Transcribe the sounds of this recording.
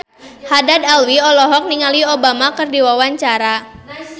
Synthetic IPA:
hadadalwiɔlɔɦɔk̚niŋaliobamakərdiwawaɲt͡ʃaɾa

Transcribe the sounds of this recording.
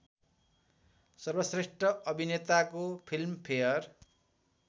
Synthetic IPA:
sʌrbʌsresʈʌʔʌbʱinet̪akopʰilmpʰejʌr

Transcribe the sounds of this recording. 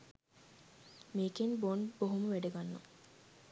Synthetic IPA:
meːkenbonboɦuməʋæɖeɡanːṵ

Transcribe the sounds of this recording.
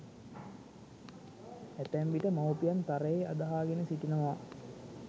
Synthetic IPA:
æt̪æmʋiʈəmawpijant̪aɾəjea̰d̪aɦaːɡenəsiʈinəma

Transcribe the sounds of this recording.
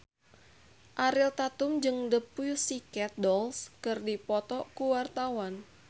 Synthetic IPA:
ʔaɾilt̪at̪ʊmd͡ʒɨŋdəpujusikɛt̪̚dɔlskɨrdipɔt̪ɔkuwart̪awan

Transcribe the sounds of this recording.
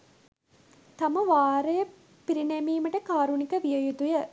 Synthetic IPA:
t̪ɐmɐʋaːɾɐjɐ | piɾinemiːmɐʈɐkaːɾunikɐʋijɐjut̪ujɐ

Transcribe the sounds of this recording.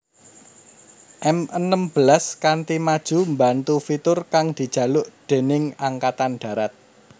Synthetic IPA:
ʔɛmənəmb̥əlaskant̪imad̥ʒ̥ṳmbant̪ufit̪ʊrkaŋd̪̥i̤d̥ʒ̥ä̤lʊʔd̪̥e̤nɪŋaŋkat̪anɖ̥ä̤ɾat̪̚

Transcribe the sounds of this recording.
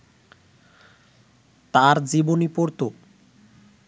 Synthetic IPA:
t̪aɾd͡ʑibonipoɾt̪o

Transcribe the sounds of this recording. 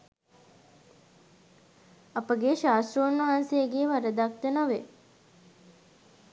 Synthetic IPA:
apəɡeʃaːst̪ɾəunʋaɦansejəɡeːʋaɾəd̪ak̚t̪enoʋe

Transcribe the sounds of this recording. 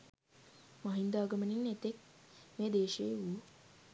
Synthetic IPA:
maɦind̪aːɡəməninet̪ek̚meːd̪eːʃejeu

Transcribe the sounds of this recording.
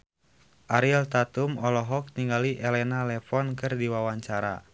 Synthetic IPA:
ʔaɾilt̪at̪umɔlɔɦɔk̚niŋɡaliʔɛlɛnalɛfɔnkɨrdiwawaɲt͡ʃaɾa̰

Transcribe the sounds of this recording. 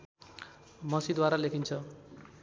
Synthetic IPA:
mʌsid̪waɾalekʰint͡sʰʌ

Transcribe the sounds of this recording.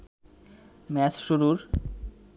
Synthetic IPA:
mɛt͡ɕʃuɾuɾ

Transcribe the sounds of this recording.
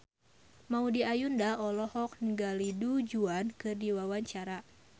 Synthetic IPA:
maudiajundaɔlɔhɔk̚nəɡalidud͡ʒuankɨrdiwawaɲt͡ʃaɾa

